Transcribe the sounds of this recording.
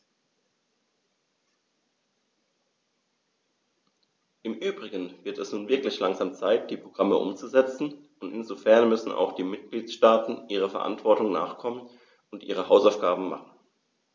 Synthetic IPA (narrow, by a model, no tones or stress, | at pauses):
ʔɪmʔyːbʁɪɡənv̥ɪɐtɛsnuːnvɪɐklɪçlaŋzaːmt͡saɪt̚d̥iːpʁ̥oɡ̥ʁaməʔʊ̰mt͡suzɛt͡sn̩ | ʊntɪnzofɛɐnmʏsn̩a̰ʊxd̥iːmɪt̚ɡ̥liːtʃtaːtn̩ʔiːʁ̞əfɛɐʔa̰ntv̥ɔɐtʊŋna̰ːχkʰɔmən | ʊntʔḭːʁəhaʊsaʊfɡ̥aːbm̩ma̰χn̩